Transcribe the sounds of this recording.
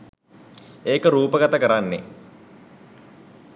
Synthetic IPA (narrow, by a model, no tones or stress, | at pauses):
eːkəɾuːpəɡɐt̪ɐkəɾanːe